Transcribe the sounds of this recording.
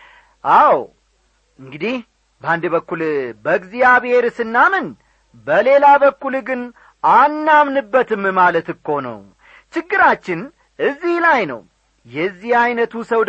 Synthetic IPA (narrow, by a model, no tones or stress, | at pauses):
ʔaw | ɨŋɡɨd̪ih | bəand̪ɨbəkːulbəɡzijaβhe̞ɾsɨnːamɨn | bəle̞labəkːulɡɨn | anːamnɨbːət̪ɨmmalət̪ɨkːo̞nə̰w | t͡ʃɪɡːɨɾat͡ʃːɪn | ʔɨzːihlajnə̰w | jɛzːihajnət̪ʰusəw